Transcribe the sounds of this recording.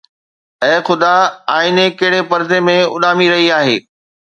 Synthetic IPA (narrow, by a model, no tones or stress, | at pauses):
ɛ̃ːxʊd̪aaːɪnekɐɦɪɽepɐɾd̪emẽʊ̰ɗaːmiɾɐɦiaːɦeː